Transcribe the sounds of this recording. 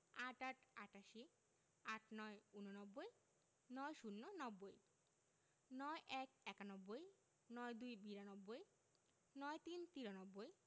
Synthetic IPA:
aʈaʈʰaʈaʃi | aʈʰnɔeunonɔbːoj | nɔjʃunːonɔbːoj | nɔeʔɛk̚ɛkanɔbːoj | nɔjd̪ujbiɾanɔbːoj | nɔet̪int̪iɾonɔbːoj

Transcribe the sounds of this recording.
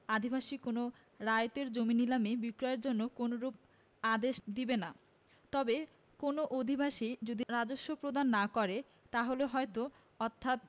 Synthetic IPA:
ad̪ʱibʱaʃikono | ɾajt̪eɾd͡ʑominilamebikɾoeɾd͡ʑonːokonoɾup̚ | ad̪eʃd̪ibena | t̪ɔbe | konoʔod̪ʱibʱaʃid͡ʑod̪iɾad͡ʑoʃːopɾod̪ʱanːakɔɾe | t̪aɦoleɦɔet̪o | ɔt̪ʰːat̪̚

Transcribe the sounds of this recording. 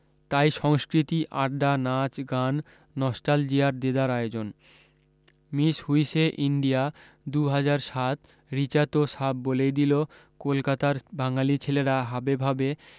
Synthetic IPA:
t̪ajʃɔŋskɾit̪iʔaɾɖanat͡ɕɡanː | ɔsʈald͡ʑiaɾd̪ed̪aɾaeod͡ʑon | miʃhujʃeʔiɳɖija | d̪uɦad͡ʑaɾʃat̪ | ɾit͡ɕaɾt̪osabːolejd̪ilo | kolkat̪aɾbaŋalit͡ɕʰeleɾaɦabebʱabe

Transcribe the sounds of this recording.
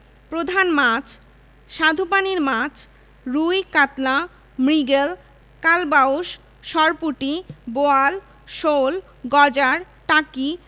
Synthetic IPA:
pɾod̪ʱanmat͡ɕʰ | ʃad̪ʱupaniɾmãt͡ɕʰ | ɾujkat̪la | mɾiɡel | kalbaoʃ | ʃɔɾpuʈiboal | ʃol | ɡɔd͡ʑaɾ | ʈaki

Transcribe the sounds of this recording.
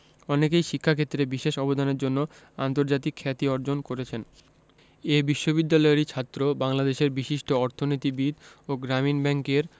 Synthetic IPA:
ɔnekejʃikʰːakʰet̪ːɾebiʃeʃɔbod̪ʱaneɾd͡ʑonːo | a̰nt̪oɾd͡ʑat̪ikʰːɛt̪iɔɾd͡ʑonkoɾet͡ɕʰen | ebiʃːobid̪ːalɔeɾit͡ɕʰat̪ːɾobaŋlad̪eʃeɾbiʃiʃʈoɔɾt̪ʰonit̪ibid̪oɡɾaminbɛŋkeɾ

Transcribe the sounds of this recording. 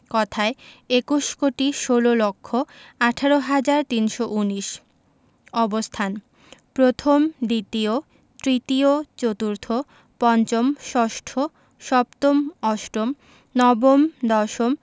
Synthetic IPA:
kɔt̪ʰaeekuʃkoʈiʃololokʰːoaʈʰaɾoɦad͡ʑaɾt̪inʃoʔuniʃ | ɔbost̪ʰan | pɾot̪ʰomd̪it̪io | t̪ɾit̪iot͡ɕot̪uɾt̪ʰo | pɔnt͡ɕomʃɔʃʈʰo | ʃɔp̚t̪omɔʃɾom | nɔbomd̪ɔʃom

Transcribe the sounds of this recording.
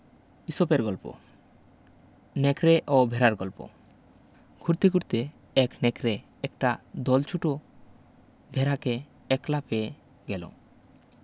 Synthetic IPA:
isopeɾɡɔlpo̰ | nɛkɾeʔobʱeɾaɾɡɔlpo̰ | ɡʰʱuɾt̪ikuɾt̪e | ɛknɛkɾe | ɛkʈad̪ɔlt͡ʃʰuʈo | bʱeɾake | ɛklape | ɡɛlo̰

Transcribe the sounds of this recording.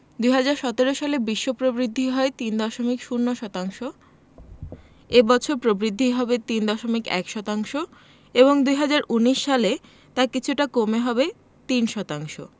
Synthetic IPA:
d̪ujɦad͡ʑaɾʃɔt̪eɾoʃalebiʃːopɾobɾid̪ʱːiɦɔet̪ind̪ɔʃomikʃunːoʃɔt̪aŋʃo | ebɔt͡ɕʰoɾpɾobɾid̪ʱːiɦɔbet̪ind̪ɔʃomikɛ̰kʃɔt̪aŋʃo | eβoŋd̪ujɦad͡ʑaɾuniʃːale | t̪akit͡ɕʰuʈakomeɦɔbe | t̪inʃɔt̪aŋʃo̰

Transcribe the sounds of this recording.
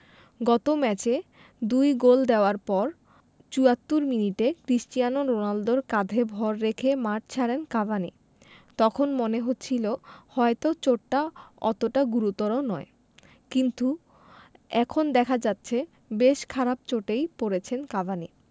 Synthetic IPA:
ɡɔt̪omɛt͡ɕe | d̪ujɡold̪eoaɾpɔɾ | t͡ɕuat̪ːuɾminiʈekɾisʈijanoɾonald̪oɾkad̪ʱebʱɔɾːekʰemaʈt͡ɕʰaɾenkabʱani | t̪ɔkʰonmoneɦotːɕʰilohɔet̪ot͡ɕoʈːaɔ̰t̪oʈaɡuɾut̪ːɔɾonɔe | kint̪u | ɛkʰond̪ɛkʰad͡ʑatːɕʰe | beʃkʰaɾabt͡ɕoʈejpoɾet͡ɕʰenkabʱani

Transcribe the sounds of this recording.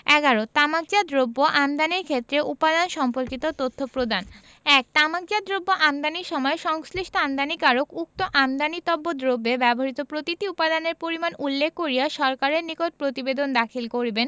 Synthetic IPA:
ɛɡaɾot̪amak̚d͡ʑad̪ɾobːoʔamd̪aniɾkʰet̪ːɾeʔupad̪anʃɔmpoɾkit̪ot̪ot̪ʰːopɾod̪an | ɛk̚t̪amaɡ̚d͡ʑad̪ɾobːoʔamd̪aniɾʃɔmɔeʃɔŋsliʃʈoamd̪anikaɾokuk̚t̪oʔamd̪anit̪ɔbːod̪ɾobːebɛboɾit̪opɾot̪it̪iupad̪aneɾpoɾimanulːekʰːoɾijaʃɔɾkaɾeɾnikoʈ̚pɾot̪ibed̪ond̪akʰilkoɾiben

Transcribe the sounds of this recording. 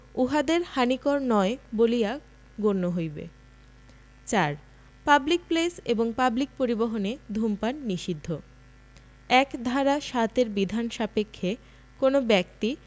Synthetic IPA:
uɦad̪eɾhanikoɾnɔebolija | ɡoɾnoɦojbḛ | t͡ɕaɾ | pablik̚pleseboŋpablik̚poɾiboɦoned̪ʱumpanːiʃid̪ʱːo | ɛkd̪ʱaɾaʃat̪eɾbid̪ʱanʃapekʰːe | konobɛkt̪i

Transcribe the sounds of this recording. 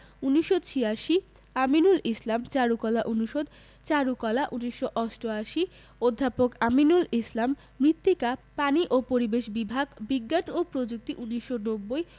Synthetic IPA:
uniʃːot͡ɕʰijaʃi | aminulislamt͡ɕaɾukɔlaʔunuʃod̪ | t͡ɕaɾukɔlaʔuniʃːoʔɔsʈoaʃi | od̪ʱːapokaminulislamː | ɾit̪ːikapaniʔopoɾibeʃbibʱaɡbiɡːanopɾod͡ʑuk̚t̪iʔuniʃonobːoj

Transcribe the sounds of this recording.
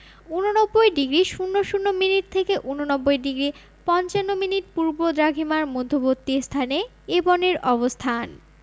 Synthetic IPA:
unonɔbːojɖiɡɾiʃunːoʃunːominiʈ̚t̪ʰekeʔunonɔbːojɖiɡɾi | pɔnt͡ɕanːominiʈ̚puɾbod̪ɾaɡʱimaɾmod̪ʱobot̪ːist̪ʰane | ebɔneɾɔbost̪ʰan

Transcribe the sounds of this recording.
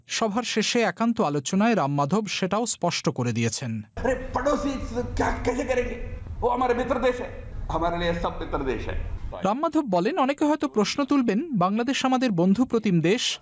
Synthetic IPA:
ʃɔbʱaɾʃeʃeɛkant̪oalot͡ɕonaeɾamːad̪ʱobʃeʈaospɔʃʈokoɾed̪ijet͡ɕʰenɐɾepaɖosikakɛt͡ʃʰekeɾekioamaɾemit̪ːɾod̪eʃeamaɾeiesɔb̚mit̪ːɾod̪ḛʃḛɾamːad̪ʱobːɔlenɔnekeɦɔet̪opɾoʃnot̪ulbenbaŋlad̪eʃamad̪eɾbond̪ʱupɾot̪ʰimd̪eʃ

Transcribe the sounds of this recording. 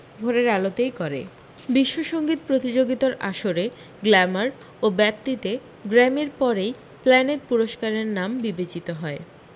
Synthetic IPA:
bʱoɾeɾalot̪ejkɔɾḛ | biʃːoʃoŋɡit̪̚pɾot̪id͡ʑoɡit̪aɾʔa̰ʃoɾe | ɡlɛmaɾ | obɛp̚t̪it̪e | ɡɾɛmeɾpɔɾej | plɛneɾpuɾoʃkaɾeɾnambibet͡ɕit̪oɦɔe

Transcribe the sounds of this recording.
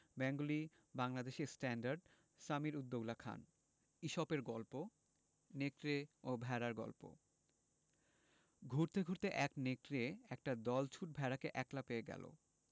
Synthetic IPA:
bɛŋɡuli | baŋlad̪eʃeɾsʈɛnɖaɾɖ | samiɾud̪ːowlakʰa̰n | iʃɔbeɾɡɔlpo | nekɾeobʱɛɾaɾɡɔ̰lpo̰ | ɡʱuɾt̪eɡʱuɾt̪eʔɛknekɾeɛk̚ʈad̪ɔlt͡ɕʰuʈ̚bʱɛɾakeʔɛklapeeɡɛ̰lo̰

